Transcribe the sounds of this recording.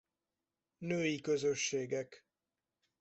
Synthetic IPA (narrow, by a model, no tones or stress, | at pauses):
nøːjikøzø̞ʃːeːɡɛk